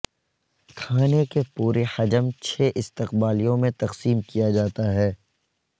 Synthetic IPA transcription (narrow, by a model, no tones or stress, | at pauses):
kʰaːnekepuːɾehɐd͡ʒəmt͡ʃʰeːʔɪst̪ɪqbaːlijõmẽt̪ɐqsiːmkijad͡ʒaːt̪aɦɛː